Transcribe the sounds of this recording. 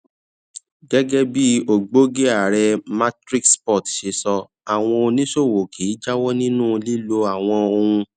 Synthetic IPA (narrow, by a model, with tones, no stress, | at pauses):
ɡɛ˦ɡɛ˦bi˦o˨ɡ͡bo˦ɡe˦a˨ɾɛ˧ma˦tɾi˦kspɔ˦˨tʃe˧sɔ˧ | a˨w̃ɔ̃˧o˧nĩ˦ʃo˦˨wo˨kʰi˨˦d͡ʒa˦wɔ˦nĩ˦nũ˦˧li˦lo˧˦a˨w̃ɔ̃˧o˧hũ˧